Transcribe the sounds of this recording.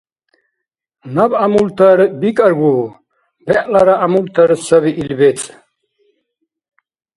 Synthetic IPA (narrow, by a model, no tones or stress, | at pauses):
nɐbamult̪ʰɐɾbikʼəɾɡu | bɛʔʼlɐɾaʔamult̪ʰɐɾsɐβiʔilbet͡sʼ